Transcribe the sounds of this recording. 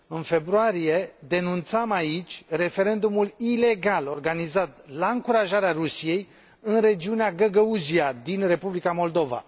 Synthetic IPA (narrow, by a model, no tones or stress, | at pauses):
ɨnfe̞bɾuaɾije̞d̪e̞nunt̪samait͡ʃʲre̞fe̞ɾe̞nd̪umulile̞ɡalo̞rɡanizat̪̚laɨŋkuɾaʒaɾeaɾusije̞j | ɨnre̞d͡ʒiuneaɡəɡəuziad̪inre̞publikamo̞ld̪o̞va̰